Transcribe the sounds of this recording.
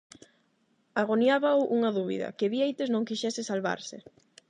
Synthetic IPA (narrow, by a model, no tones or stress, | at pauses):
aɣonjaβaoʔuŋɐðuβḭðɐ̰kɪβiejt̪ɪznõŋkiʃɛsɪsalβa̰ɾsɪ